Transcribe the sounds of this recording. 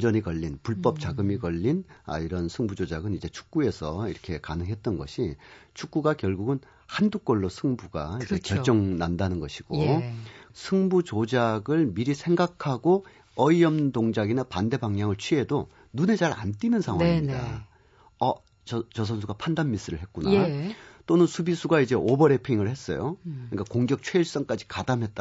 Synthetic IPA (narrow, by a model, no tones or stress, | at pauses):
d͡ʑʌɲikʌʎːinpuɭp͈ʌp̚t͡ɕ͈aɡɯmikʌʎːina̰iɾʌnsʰɯŋbud͡ʑod͡ʑaɡɯnid͡ʑe̞t͡ɕʰu̥k̚k͈ue̞sʰʌiɾʌkʰe̞kanɯŋɦe̞t̚t͈ʌnɡʌɕʰit͡ɕʰuk̚k͈uɡakjʌɭɡuɡɯn | handuk̚k͈ʌɭːosʰɯŋbuɡa̰iekjʌɭt͡ɕ͈ʌŋnandanɯnɡʌɕʰiɡ̥o | sʰɯŋbut͡ɕod͡ʑaɡɯɭmiɾisʰe̞ŋɡakʰaɡo | ʌiʌmdoŋd͡ʑaɡinapande̞baŋɲaŋɯɭt͡ɕʰɥie̞do | nune̞t͡ɕaɾa̰nt͈inɯnsʰaŋwaiɲida | ʌ | t͡ɕʌs̬ʰʌnsʰuɡapʰandanmis͈ɯɾɯɭɦet̚k͈unat͈onɯnsʰubisʰuɡaid͡ʑe̞ʔobʌɾe̞pʰiŋɯɭhe̞s͈ʌ̰jo̰kɯɲik͈akoŋɡjʌk̚t͡ɕʰwe̞iɭs͈ʌŋk͈ad͡ʑi̥kadamɦe̞t͈̚a